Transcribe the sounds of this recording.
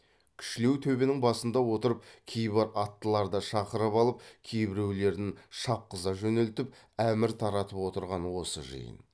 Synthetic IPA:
kʲʰʏ̥ʃɪle̞wt̪ʰɵbenɪŋbɑsənd̪ɑwo̞t̪əɾəp̚kʲʰejbɑɾʔɑt̪ːəlˠɑɾd̪əʃɑqəɾəpɑlˠəp̚kʲʰejbɪɾe̞wle̞ɾd̪ɪŋʃɑp̚qəzɑʒɵne̞lt̪ɪp̚ | æmɪɾt̪ʰɑɾɑt̪əpwo̞t̪əɾʁɑnwo̞sə̰ʒə̰jə̰n

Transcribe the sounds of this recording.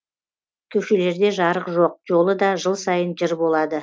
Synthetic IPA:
kʲʰɵʃe̞le̞ɾd̪e̞ʒɑɾəqʒo̞q̚ʒo̞lˠəd̪ɑʒəlˠsɑjənʒɪɾbo̞lˠɑd̪ə

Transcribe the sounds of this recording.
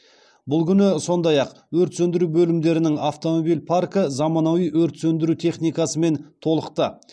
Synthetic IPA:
bʊlˠkʲʰʏnɪso̞nd̪ɑjɑq | wɵɾt̪sɵnd̪ɪɾubɵlɪmd̪e̞ɾɪnɪŋaft̪o̞mo̞bijlpʰarkəzɑmɑnɑwijʔwɵɾt̪sɵnd̪ɪɾut̪ʰe̞χnijkɑsəme̞nt̪ʰo̞lˠəqt̪ə

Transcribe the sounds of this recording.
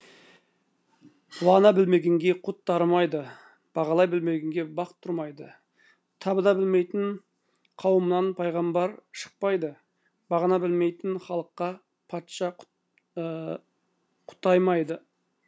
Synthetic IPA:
wɑʁnɑbɪlme̞ɡʲe̞ŋɡʲe̞qʰʊt̪ːɑɾmɑjd̪ə | b̥ɑʁɑlˠɑjbɪlme̞ɡʲeŋɡʲe̞bɑqə̥t̪ʰːʊɾmɑjd̪ə | t̪ʰɑbəd̪ɑbɪlme̞jt̪ɪn | qʰɑwəmənɑnpʰɑjʁɑmbɑɾʃə̥q̚pɑjd̪ə | bɑʁɑnɑbɪlme̞jt̪ɪnχɑlˠəqːɑ | pʰɑt̪ʃɑ | qʰʊ̥t̪ɑjmɑjd̪ə

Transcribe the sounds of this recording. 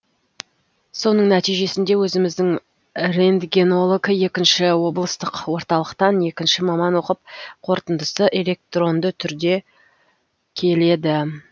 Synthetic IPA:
so̞nəɴnæt̪ijʒe̞sɪnd̪e̞wɵzɪmɪzd̪ɪŋ | re̞nd̪ɡʲe̞no̞lˠokje̞kʲɪnʃɪwo̞blˠəst̪əqwo̞ɾt̪ɑlˠəqt̪ɑne̞kʲɪnʃɪmɑmɑnwo̞qəp̚qʰo̞ɾt̪ənd̪əsəʔe̞le̞k̚t̪ro̞nd̪ət̪ʰʏɾd̪e̞ | kʲʰe̞le̞d̪ɪ

